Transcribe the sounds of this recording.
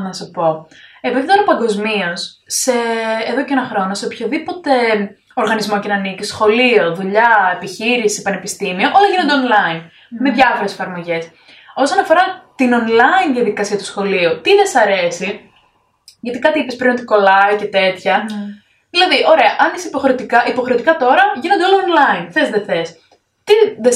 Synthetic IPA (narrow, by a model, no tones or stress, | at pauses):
nɐsepo̞e̞piðit̪o̞ɾɐpɐŋɡo̞zmiosːe̞ːðo̞ceenɐxɾo̞nose̞opçoðipo̞t̪e̞ | o̞ɾɣɐnizmo̞cenɐnicisxo̞lio̞ðuʎɐepiçiɾisipɐne̞pist̪imioʔo̞lɐʝinond̪eonlɐin | me̞ðʝɐfo̞ɾe̞sfɐɾmo̞ʝe̞s | o̞so̞nɐfo̞ɾɐt̪ino̞nlɐinðijɐðikɐsiɐt̪u̥sxo̞liut̪iðe̞sɐɾe̞si | ʝɐt̪ikɐt̪iipespɾinot̪iko̞lɐice̞t̪e̞t̪çɐ | ðilɐðiʔo̞ɾe̞ɐʔɐnisipo̞xɾet̪ikɐʔipoxɾeot̪ikɐt̪o̞ɾɐʝinond̪olɐonlɐinθezðeθe̞s | t̪iðe